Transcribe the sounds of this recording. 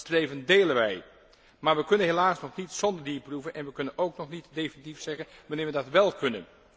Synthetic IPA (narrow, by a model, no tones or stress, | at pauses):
strejvəndejlənʋɛj | maːɹʋəkɵnənɦelaːsnɔχnitsɔndəɹdiːɹpruvənɛnʋəkɵnənowknɔχnitdejfənitifsɛχənʋɑnɪːɹʋədɑtʋɛlˠkɵnə̰n